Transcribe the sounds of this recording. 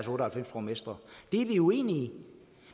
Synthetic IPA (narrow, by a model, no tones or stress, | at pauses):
sɔ̽ːɾəhælfem̰spʰʁomesd̥ʁɐd̥e̝ʋiue̝̰ːni